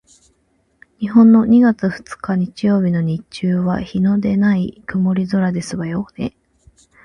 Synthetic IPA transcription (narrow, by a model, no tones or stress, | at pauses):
ɲ̟ihõ̞nːo̞ɲ̟iɡat͡sɨɸɯ̟̥t͡sɨ̥kaɲ̟it͡ɕijo̞ːbʲino̞ɲ̟it͡ɕɨːβa̰çino̞d̪e̞naikɯ̟mo̞ɾʲizoɾad̪e̞sɨβajo̞ːne̞̰